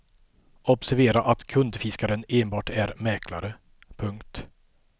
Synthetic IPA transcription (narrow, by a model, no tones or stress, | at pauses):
ɔbsæɾveːɾaʔat̪kʰɵnd̪fɪskaɾəneːnbɑːʈæɾmɛkʰla̰ɾə | pʰɵŋkt̪